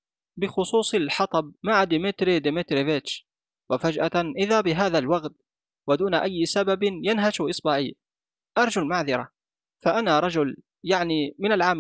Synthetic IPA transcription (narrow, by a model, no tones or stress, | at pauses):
bɪxʊsˤuːsˤɑlħɑt̪ˤɑb̚maʕad̪ɪmɪt̪ɾid̪ɪmɪt̪ɾɪvɪt͡ʃ | wafad͡ʒʔa̰ʔɪðaːbɪɦaːðalwaɣt̪̚ | wad̪uːnaʔajːsababɪnjanɦaʃʔɪsˤbaʕiː | ʔɑɾˤd͡ʒʊlmaʕðɑɾˤa | faʔanaːɾˤɑd͡ʒʊl | jaʕnimɪnalʕaːm